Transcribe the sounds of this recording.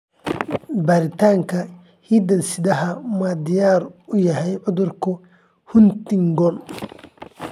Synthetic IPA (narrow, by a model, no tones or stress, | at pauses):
baːɾɪt̪ʰaːŋkʰɐ | hiːd̪ɐnsɪd̪ɐɦɐmaːd̪ɪjaːrʊjɐɦɛjʕʊðʊrkʰʊ | hʊnt̪ɪŋɡɔn